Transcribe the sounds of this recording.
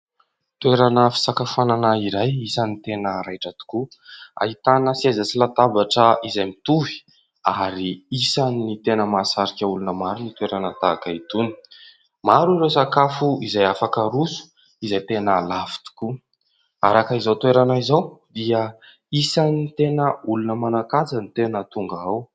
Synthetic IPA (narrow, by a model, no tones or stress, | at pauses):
t̪weɾanəfi̥sakafananaiɾajisanit̪enəɾajʈ͡ʂat̪u̥kua̰ɦit̪anəsiazat͡silat̪abaʈ͡ʂəizajmit̪uvi̥ | aɾiisanːit̪enəmasaɾikʲaulunəmaɾunit̪weɾanət̪akait̪uni̥ | maɾuresakafuizajafakəɾusu̥ | izajt̪enəlafi̥t̪u̥ku | aɾakəizawt̪weɾanaizawd̪iə | isanit̪enəulunəmanakad͡zənit̪enət̪uŋɡaaw